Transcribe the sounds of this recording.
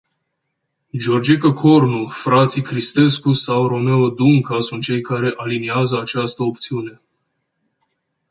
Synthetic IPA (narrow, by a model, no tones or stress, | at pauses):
d͡ʒo̞rd͡ʒekəkʰo̞rnufɾat̪sikɾist̪e̞skusawro̞me̞od̪uŋkasunt̪̚t͡ʃe̞jkaɾe̞ʔaliniazəat͡ʃast̪əopt̪siune̞